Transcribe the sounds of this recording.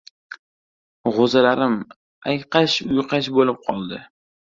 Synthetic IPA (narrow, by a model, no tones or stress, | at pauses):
ʁozalaɾɪm | ajqɑʃʊjqʰɑʃbolɪp̚qʰɒlˠd̪ɪ